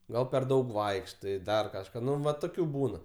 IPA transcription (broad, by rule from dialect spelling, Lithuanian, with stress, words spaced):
ˈɡɐlˠ pʲɛr ˈdɐʊk ˈʋɐɪkʃtɐɪ ˈdɐr kɐʃˈkɑː ˈnʊ ʋɐ toːˈkʲuː ˈbuːnɐ